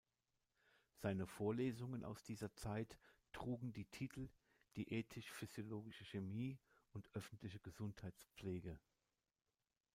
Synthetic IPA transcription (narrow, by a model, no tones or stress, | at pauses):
z̥aɪnəfoːɐleːzʊŋənʔa̰ʊsd̥iːzɐt͡saɪt | ʁ̥uːɡŋ̩diːtʰiːtʰl̩ | d̥iːʔeːtʰɪʃfyz̥joloːɡɪʃəçemiːʊntʔœfn̩tlɪçəɡəzʊnthaɪtt͡sp͡fleːɡə